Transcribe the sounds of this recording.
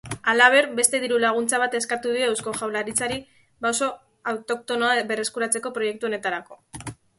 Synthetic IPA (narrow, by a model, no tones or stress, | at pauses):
alaβ̞e̞ɾbe̞st̪e̞ðiɾulaɣ̞unt͡saβ̞at̪e̞skat̪uðiowsko̞ʝawlaɾit͡saɾi | bawso̞ | awt̪o̞k̚t̪o̞noaβe̞re̞skuɾat͡se̞ko̞pɾo̞je̞k̚t̪uo̞ne̞t̪aɾako̞